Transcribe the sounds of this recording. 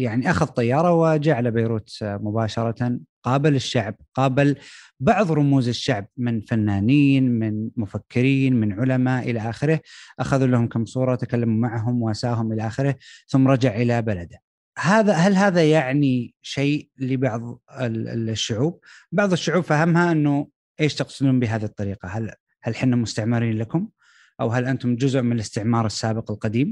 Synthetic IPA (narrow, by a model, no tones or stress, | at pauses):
jaʕniʔaxaðt̪ˤːɑjːɑːɾˤɑwɪd͡ʒaːʕalabajɾuːt̪mʊbaːʃɑɾˤɑqɑːbɪlɪʃːaʕb̚qɑːbɪl | bɑʕðˤɾˤʊmuːzɪʃːaʕb̚mɪnfanːaːniːnmɪnmʊfakːɪɾiːnmɪnʕʊlamaʔʔɪlaʔaːxɪɾɪhʔaxaðulahʊmkamːsˤuːɾˤɑt̪akalːamumaʕɦʊmwʔasaːɦʊmʔɪlaʔaːxɪɾɪhθʊmːɾˤɑd͡ʒaʕʔɪlabalad̪a | haːðahalɦaːðajaʕniʃeːʔlɪbɑʕðˤɪ̰ʃːʊʕuːb̚bɑʕðˤɨʃːʊʕuːbfaɦamhaʔɪnːʊ | ʔeːʃt̪ɑqsɪd̪uːmbɪɦaːðiht̪ˤːɑɾiːqɑɦal | halħɪnːamʊst̪aʕmɪɾiːnlakʊm | ʔawɦalʔant̪ʊmd͡ʒʊzʊʔmɪnɪlɪst̪ɪʕmɑːɾˤɑsːaːbɪqɪlqɑd̪iːm